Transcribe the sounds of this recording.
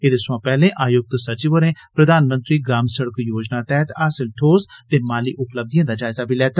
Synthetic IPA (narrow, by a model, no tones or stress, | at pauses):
ed̪eːsʊãːpɛːlẽːʔaːjʊk̚t̪sət͡ʃiːʋəɾẽːpɾəd̪aːnmə̃nt̪ɾiːɡɾaːmsəɽəkjoːd͡ʒnaːt̪ɛːt̪aːsɪlʈʰoːzt̪eːmaːlḭːʔʊpləb̚d̪ijãːd̪aːd͡ʒaːɪzaːbʱiːlɛːt̪